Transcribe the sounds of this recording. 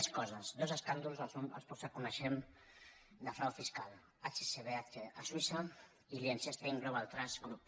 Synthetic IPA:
ɛskɔzazd̪ozeskand̪ulzalsona̰lˠspɔsakunəʃem | d̪afɾawfiskal | at͡ʃeseβeat͡ʃeaswisa | iliensest̪eiŋɡɾoβalˠt̪ɾazɡɾup

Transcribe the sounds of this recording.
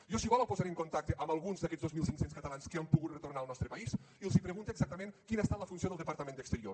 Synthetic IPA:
jɔsiβaləpozaɾeŋkont̪ak̚t̪əʔəmbalˠɣunzðəkɛzðozmilˠsiŋsenskət̪alanskeampuɣut̪rət̪ornaːlˠnɔst̪ɾəpəis | ilˠzipɾəɣunt̪eːɡzak̚t̪əmẽŋkinəest̪aləfunsioðəlˠd̪əpəɾt̪əmẽnd̪əkst̪əɾio

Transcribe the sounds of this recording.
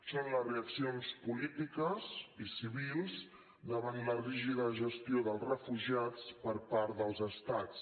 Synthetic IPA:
sonləzreəksionspulit̪ikəzisiβ̞ilˠz | d̪əβant̪ləriʒiðəʒəst̪ioðəlˠzrəfuʒiat͡spəɾpaɾt̪ðəlˠzəst̪at͡s

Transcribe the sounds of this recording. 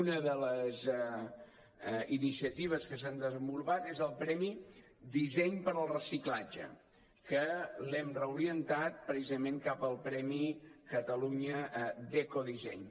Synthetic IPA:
unəðələzɛ | inisiət̪iβ̞əskəsand̪əzəmbulˠβat̪ezəlˠpɾɛmi | d̪izɛɲpəɾəlˠrəsiklad͡ʒə̰ | kəlɛmrəuɾiənt̪at̪̚pɾəsizəmẽŋkapəlˠpɾɛmikət̪əluɲəd̪ɛkoðizɛɲ

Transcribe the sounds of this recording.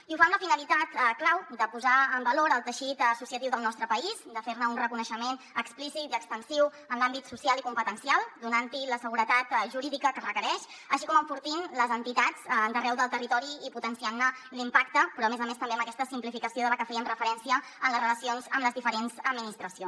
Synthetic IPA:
iufamləfinəlit̪at̪klawd̪əpuzaəmbəloɾəlˠt̪əʃit̪əsusiət̪iwðəlˠnɔst̪ɾəpəizd̪əfeɾnəunrəkunəʃəmen | əksplisit̪iəkst̪ənsiw | ənlambit̪susialikumpət̪ənsialˠd̪unant̪iləsəɣuɾət̪at̪ʒuɾiðikəkərəkəɾɛʃəʃikɔməɱfuɾt̪inləzənt̪it̪ad͡zd̪ərɛwðəlˠt̪ərit̪ɔɾiiput̪ənsianːəlimpakt̪əpɾɔəmezəmest̪əmbeəmbəkɛst̪əsimplifikəsioðələkəfɛəmrəfəɾɛnsiəənləzrələsionzəmləzðifəɾenzəd̪minist̪ɾəsion

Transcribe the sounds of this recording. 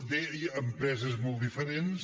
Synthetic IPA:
d̪eiəmpɾɛzəzmɔlˠt̪d̪ifəɾens

